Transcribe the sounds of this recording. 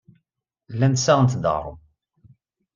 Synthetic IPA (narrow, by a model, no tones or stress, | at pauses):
lːænt̪sæʁənt̪d̪ə̰ɾˤə̰m